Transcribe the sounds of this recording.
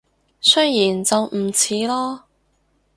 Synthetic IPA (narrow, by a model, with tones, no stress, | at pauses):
sɵ˥jjiː˨˩nt͡sɐ˨wm̩˨˩t͡sʰiː˨˧˥lɔː˥